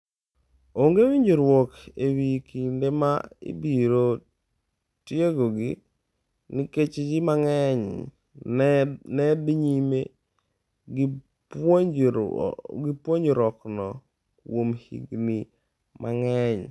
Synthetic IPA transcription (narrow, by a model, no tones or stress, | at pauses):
oŋɡewiɲd͡ʒoɾwɔkewikindemaḭbiɾo | tjeɡoɡi | nɪket͡ʃd͡ʒimaŋɛɲ | nɛdiɲime | ɡipwoɲd͡ʒɾɔknɔ | kwomhḭɡni | maŋɛɲ